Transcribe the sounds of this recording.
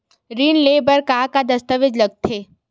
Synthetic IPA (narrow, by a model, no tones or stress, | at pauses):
ɾiːnleːbəɾkaːkad̪ɐst̪əʋɪd͡ʒlɐɡ̚t̪ʰeː